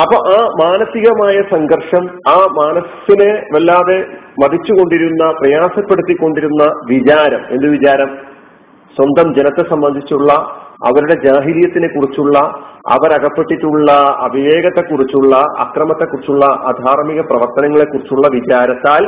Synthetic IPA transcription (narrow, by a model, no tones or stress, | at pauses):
ɐpːoʔaːmaːnɐt̪ːiɣɐmaːjɐsɐŋɡɐrʂɐmaːmaːnɐsinɨʋelːaːðe̞mɐd̪ʱit͡ɕːuɣo̞ɳɖiɾunːɐprɐjaːsɐpːe̞ɽut̪ːikːo̞ɳɖiɾunːɐʋid͡ʑaːɾɐme̞nd̪ɨʋid͡ʑaːɾɐm | swɐnd̪ʱɐmd͡ʑe̞nɐt̪ːesɐmbɐnd̪ʱit͡ɕːuɭːɐɐ̰ʋɐɾuɽe̞d͡ʑaːɦilijɐt̪ːinekːurit͡ɕːuɭːɐɐ̰ʋɐɾɐɣɐpːe̞ʈːiʈːuɭːɐɐbʱiʋe̞ːɣɐt̪ːe̞kːurit͡ɕːuɭːɐɐ̰krɐmɐt̪ːe̞kːurit͡ɕːuɭːɐʔɐ̰d̪ʱaːrmiɣɐprɐʋɐrt̪ɐnɐŋːɐɭe̞kːurit͡ɕːuɭːɐʋit͡ɕaːɾɐt̪ːaːl